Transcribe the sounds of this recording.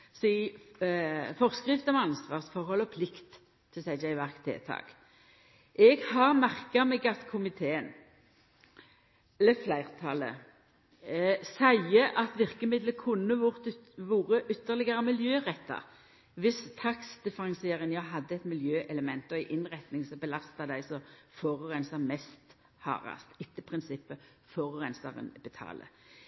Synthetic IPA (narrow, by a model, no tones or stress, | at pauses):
sɪ | fɔʁskʁɪft̪ɔmɑnsʋɑːʁsfɔʁhɔlɔpʰlɪkt̪ʰː | ɪsæɪd͡ʒæɪʋæʁkt̪ʰḛːt̪ʰɑ̰ːk | ʔɛɡhɑːʁmæʁkɑmɛːɡɑt̪kʰʊmɪt̪ʰeːən | ɛləflæɪʁt̪ʰɑlə̰ | sæɪəʔɑt̪ʋɪʁkəmɪd̪ləkʰʊnːəʊʁt̪ʋuːɾəʔʏt̪ːəʁlɪɡəʁəmɪljøːʁɛt̪ʰːɑ̰ | ʋɪst̪ʰɑksd̪̥ɛfəʁɑŋseːʁənjɑɦɑd̪ːəɛt̪mɪljøːʔɛləmɛnt̪ɔæɪʔɪnʁɛt̪nɪŋsɔbəlɑst̪ɑd̪æɪsɔfɔʁʁɛnsɑmɛst̪ | hɑ̰ːʁɑ̰st̪ɪt̪ːəpʰʁɪnsɪpːə | fɔʁʁɛnsɑ̰ʁə̰nbət̪ʰɑ̰ːlə̰